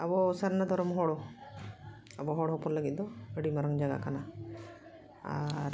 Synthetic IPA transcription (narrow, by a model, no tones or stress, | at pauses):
abɔsaɾnad̪ɔɾɔmɦɔɽɔ | abɔɦɔɽɔɦɔpɔɾlaɡit̪̚d̪ɔəɽimaɾəŋd͡ʒaɡa̰kana | a̰ɾ